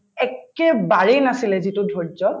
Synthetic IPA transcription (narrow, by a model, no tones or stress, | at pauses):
ɛkɛbaɹejnasilɛzitudʱɔɹzɔt